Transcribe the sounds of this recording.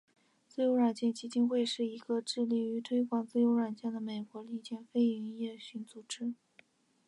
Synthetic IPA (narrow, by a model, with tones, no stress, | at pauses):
t͡sɹ̩˥˧jo˧˥ʊɻwa˨˩nt͡ɕjɛ˥˩nt͡ɕi˧˥t͡ɕi˥ŋxwe˥˧ɪʂɻ̩˥˩i˧˥ɡə˧ʈ͡ʂɻ̩˥˧li˥˩y˧˥t̪ʰwe˥ɪkwɑ˨˩ŋt͡sɹ̩˥˩jo˧˥ʊɻa˨˩nt͡ɕjɛ˥˩nd̪ə˩me˨˩ɪkwɔ˧˥li˥˩t͡ɕjɛ˥˩nfe˥ɪy˧˥njɛ˥˩ɕy˥˩nt͡su˨˩ʈ͡ʂɻ̩˥